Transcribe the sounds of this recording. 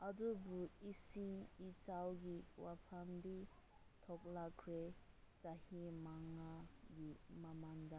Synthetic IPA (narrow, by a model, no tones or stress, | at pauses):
adubuisiŋit͡ʃawɡiwapʰamditʰɔk̚lakʰɾe | t͡ʃahimaŋaɡimamaŋda